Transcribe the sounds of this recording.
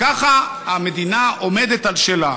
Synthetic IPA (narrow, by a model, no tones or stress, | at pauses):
kaχa | hame̞d̪inaʔo̞me̞d̪et̪alʃela